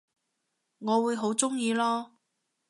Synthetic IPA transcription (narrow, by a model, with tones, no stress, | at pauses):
ŋɔː˨˧wuː˨˧jɦo˨˥wt͡sʊ˥ŋjiː˧lɔː˥